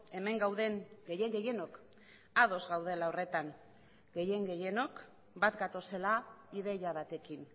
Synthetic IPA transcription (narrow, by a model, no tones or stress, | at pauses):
e̞me̞ŋɡawðe̞ŋɡe̞je̞ŋɡe̞je̞no̞k | aðo̞zɣawð̞e̞laore̞t̪aŋ | ɡe̞je̞ŋɡe̞je̞no̞k | bat̪ɡat̪o̞se̞laiðe̞jaβat̪e̞kin